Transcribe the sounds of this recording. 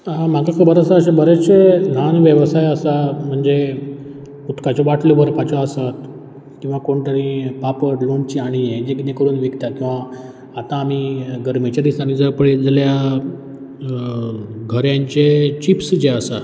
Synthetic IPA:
ãm̤aɡakʰəbəɾəsaəɕabəɾet͡ɕenanʋjəʋsajəsam̤əɳd͡ze | ut̪kat͡ɕɔʋaʈʰlobʱəɾpat͡ɕɔasat̪ | kĩw̃ʋakoɳʈ̪aɾĩpapəʈlont͡ɕiaɽ̃ied͡ʑekinẽkəɾuːnʋikt̪at̪̚kĩw̃ʋaː | t̪ãːm̤iɡəɾmet͡ɕaɾisañĩd͡zəɾpəɽed͡zəlja | ɡʱəɾjaɲt͡ɕet͡ɕipsd͡ʑeəsa

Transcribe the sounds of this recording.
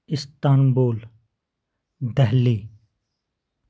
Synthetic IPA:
ɪst̪aːnboːl | d̪ɛɦliː

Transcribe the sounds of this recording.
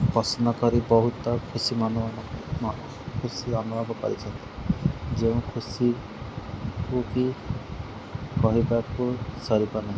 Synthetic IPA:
pɔsɔnɔkɔɾibɔɦut̪ɔkʰusimanu | kʰusiɔnubʱɔbɔkɔ̰ɾḭt͡ʃʰɔnt̪i̥d͡ʒeũkʰusi | kuki | kɔɦibakusɔɾibanaɦĩ

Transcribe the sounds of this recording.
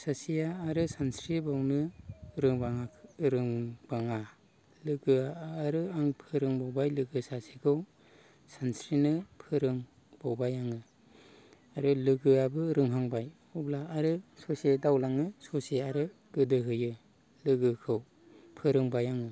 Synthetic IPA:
sasijaːɾɯsansɾibawnɯɾɯŋbaŋaɾɯŋb̥aŋa | lɯɡɯaːɾɯaŋpʰɯɾɯŋbawbajlɯɡɯsasikʰɯw | sansɾinɯpʰɯɾɯŋ | b̥awbajaŋɯ | aɾɯlɯɡɯabɯɾɯŋɦaŋbaj | ublaːɾɯsɔsedawlaŋɯsɔseaɾɯ | ɡ̥ɯdɯɦɯjɯ | lɯɡɯkʰɯw | pʰɯɾɯŋbajaŋɯ

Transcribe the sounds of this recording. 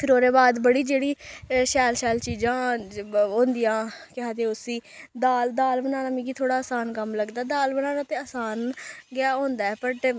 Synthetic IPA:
pʰɪɾoːɾeːbaːd̪bəɽiːd͡ʒeːɽiːʃɛːlʃɛːlt͡ʃiːd͡ʒãːɦõːnd̪ijãːkɪɦaːd̪eʊsiːd̪aːld̪aːlbənaːnaːmĩːkiːt̪ʰoːɽaːəsaːnkəmləɡd̪aːd̪aːlbənaːnaːt̪eːəːsaːnɡɪaːɦõːnd̪aːɛpəʈ

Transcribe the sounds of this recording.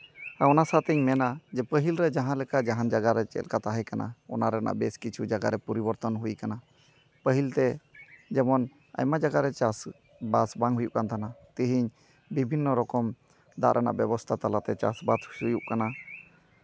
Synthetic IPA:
aɔnasat̪ɛɲmɛnad͡ʒɛpəɦilɾɛd͡ʒaɦãlɛkad͡ʒaɦand͡ʒaɡaɾɛt͡ʃɛ̰lkat̪aɦɛkana̰ɔ̰naɾɛna̰ʔbɛskit͡ʃʰud͡ʒaɡa̰ɾɛpɔɾibɔɾt̪ɔnɦujkana | pəɦilt̪ɛd͡ʒɛmɔn | a̰jmad͡ʒaɡaɾɛt͡ʃas | basbaŋɦujuʔkant̪ʰanat̪iɦiɲ | bibʱinːɔɾɔkɔm | d̪a̰ʔɾʔɛna̰ʔbɛbɔst̪ʰat̪alat̪ɛt͡ʃa̰sbat̪ujuʔkana

